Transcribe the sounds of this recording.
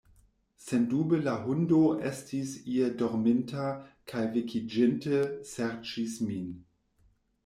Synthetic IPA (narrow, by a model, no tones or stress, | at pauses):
sendubəlaɦundoʔḛstisiedoɾmentakʰajvikʰid͡ʒɪntəseɾt͡ʃismin